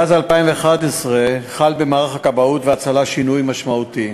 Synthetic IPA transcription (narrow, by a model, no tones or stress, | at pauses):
azalpaimveːχad̪esʁeχalbemaːʁaχakabaut̪veat͡salaʃinujmaʃmaut̪i